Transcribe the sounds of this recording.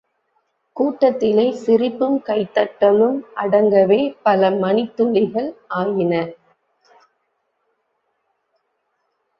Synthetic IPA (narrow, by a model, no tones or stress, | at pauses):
kuːʈːɐt̪ːɪlɐɪsɪɾɪpːɯmkɐɪt̪ːɐʈːɐlɯmʔɐɽɐŋɡɐʋeːpɐlɐmɐnɪt̪ːʊɭɪɣɐɭʔaːjɪnɐ